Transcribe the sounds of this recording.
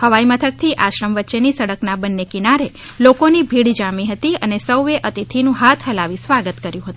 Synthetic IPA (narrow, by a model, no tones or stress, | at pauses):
həʋaimət̪ʰək̚t̪ʰiʔaʃɾəmʋətːʃenisəɽəknabənːekinaɾe | lokonibʱiɽd͡ʒamiɦət̪iənesəwʋeʔət̪it̪ʰinũɦat̪ʰɦəlaʋisʋaɡət̪kəɾjũɦət̪uũ